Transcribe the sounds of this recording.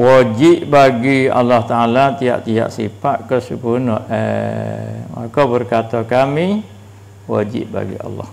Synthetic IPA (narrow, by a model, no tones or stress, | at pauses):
wad͡ʒiʔbaɡia̰lːɑht̪aalat̪ia̰ʔt̪ia̰ʔsipaʔkəsipunɔḛ | ma̰kawbərkat̪ɔkami | wad͡ʒḭʔba̰ɡḭɑ̰lːɑ̰h